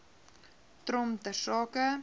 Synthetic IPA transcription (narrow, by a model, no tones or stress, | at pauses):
t̪ɾomt̪əsɔkɐ